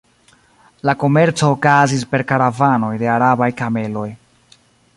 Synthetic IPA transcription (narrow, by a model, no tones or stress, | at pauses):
lako̞me̞ɾt͡so̞ːkazis̬pe̞ɾkaɾavano̞jde̞aɾabajkame̞lo̞j